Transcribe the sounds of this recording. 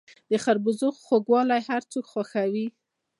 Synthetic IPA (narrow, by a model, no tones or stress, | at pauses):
d̪̥əxaɾbʊzoxxoɡwɑlajhaɾt͡sokxwaxawi